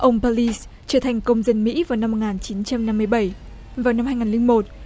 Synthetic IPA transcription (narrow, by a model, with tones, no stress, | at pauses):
ʔə˧wŋ͡mpa˧li˧s | t͡ɕəː˧˩ət̪ʰa˨˩ŋ̟kə˧wŋ͡mzə˧nmḭ˧˥vaː˨˩wna˧mːo˨˩t̚ŋaː˨˩nt͡ɕi˨˦nt͡ɕa˧mna˧mːɨ˧əjɓə˧˩j | vaː˨˩wna˧mhaː˧jŋaː˨˩lï˧ŋmo˨˩t̚